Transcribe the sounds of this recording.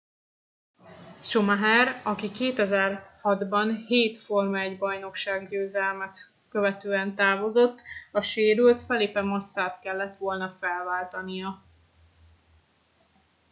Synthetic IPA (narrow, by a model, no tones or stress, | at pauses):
ʃomaɦɛrɒkikeːt̪ɛzɛrhɒd̪bɒnɦeːt̪fo̞rmɛɟbɒjno̞kʃaːɡɟøːzɛlmɛt̪ | kø̞vɛt̪øːɛnt̪aːvo̞zo̞t̪ːɒʃeːɾylt̪fɛleːpɛmɒsːaːt̪kɛlːɛt̪ʋo̞lnɒfɛlvaːlt̪ɒnijɒ